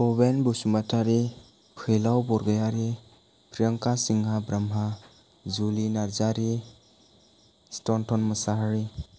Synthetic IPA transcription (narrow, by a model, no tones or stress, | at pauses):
ɔbenbusumatʰaɾi | pʰɯjlawbɔɾɡajaɾi | pʰɾijəŋkasiŋɦabɾamɦa | zulinaɾzaɾi | stɔntʰɔnmɐsaɦaɾi